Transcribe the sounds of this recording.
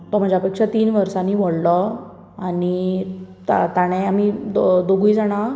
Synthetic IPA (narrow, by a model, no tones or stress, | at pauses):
t̪ɔm̤əd͡ʑjapekʂat̪iːnʋəɾsaniːʋɔɽlɔ | anit̪at̪aɽ̃eam̤id̪oɡujd͡zaɽ̃a